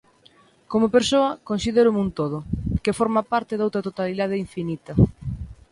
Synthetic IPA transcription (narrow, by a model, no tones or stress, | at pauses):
komopeɾsoɐkonsiðeɾʊmunt̪oðʊkefoɾmapaɾt̪ɪðawt̪ɾɐt̪ot̪aliðað̞eiɱfinit̪ɐ